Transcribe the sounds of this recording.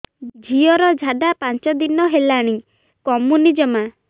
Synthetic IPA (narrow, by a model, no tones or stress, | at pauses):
d͡ʒʱiɔɾɔd͡ʒʱaɖapant͡ʃɔd̪inɔɦelaɽ̃i | kɔmunid͡ʒɔma